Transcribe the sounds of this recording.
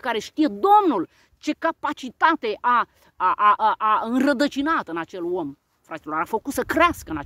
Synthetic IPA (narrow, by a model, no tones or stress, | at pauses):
kaɾe̞ʃt̪ije̞d̪o̞mnul | t͡ʃe̞kapat͡ʃit̪at̪e̞ʔa | ʔaʔaɨnrəd̪ət͡ʃinat̪ɨnat͡ʃe̞lo̞m | fɾat̪ʲilo̞ɾafəkut̪səkɾeaskəɨna